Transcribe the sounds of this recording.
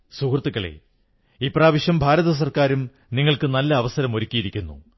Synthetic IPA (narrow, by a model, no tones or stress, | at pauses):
sukrt̪ːiɣɐɭḛ | iːpraːʋiɕjɐmbʱaːɾɐðɐs̬ɐrkaːɾum | niŋːɐɭkɨnɐlːɐːʋɐsɐɾɐmo̞ɾikʲːijiɾikʲːunːṵ